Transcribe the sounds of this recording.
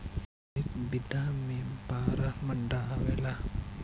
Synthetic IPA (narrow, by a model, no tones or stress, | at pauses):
ikbid̪aːmempaːɾamɐɳɖaʋela